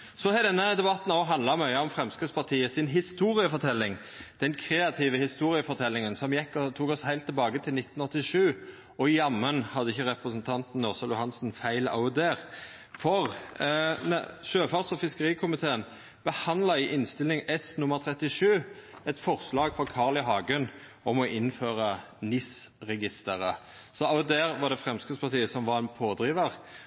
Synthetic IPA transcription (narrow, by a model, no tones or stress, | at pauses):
sɔhɛd̪ɛnːəd̪ɛbɑt̪ːn̩ɔːɦɑnd̪lɑmœʏəɔmfɾɛmskəspɑʁt̪ʰiːəsɪnɦɪst̪uːɾɪəfɔt̪ʰɛlːɪŋ | d̪̥ɛnkʰɾeːɑt̪ʰiːʋəhɪst̪uːɾɪəfɔt̪ʰɛlːɪŋənsɔmjɛkːt̪ʰuːkɔshæɪlt̪ʰːɪlbɑːɡət̪ʰɪlnɪt̪n̩ɔt̪ːɪʂʉː | ɔɪjɑmːənhɑd̪əɪçːəʁɛpʁəsnt̪ʰɑnt̪n̩ːɔʁsəlʊhɑnsn̩fæɪlɑ̰ʊd̪eːʁ | fɔʁ | ʃøːfɑʁsɔfɪskəʁiːkʰʊmɪt̪ʰeːən | b̥əhɑnlɑɪʔɪnst̪ɪlɪŋɛsnʊmːəʁt̪ʰɾɛt̪ːɪʂʉːɛt̪fɔʁslɑːɡfɔkʰɑːʁlɪɦɑːɡʉn | ɔmɔʔɪnføːɾə | nɪsɾɛɡɪst̪əɾə | sɔɑʊd̪eːɾʋɑʁd̪ɛfʁɛmskəspʰɑʁt̪ʰiːəsɔmʋɑʁɛnpʰoːd̪ɾiːʋəʁ